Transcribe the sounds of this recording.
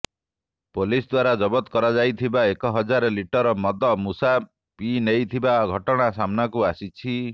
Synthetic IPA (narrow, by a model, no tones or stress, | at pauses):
polisd̪waɾad͡ʒɔbɔt̪kɔɾad͡ʒajt̪ʰibaekɔɦɔd͡ʒaɾɔliʈɔɾɔmɔd̪ɔmusa | pinejt̪ʰibaɡʱɔʈɔɽ̃asamnakuasit͡ʃʰi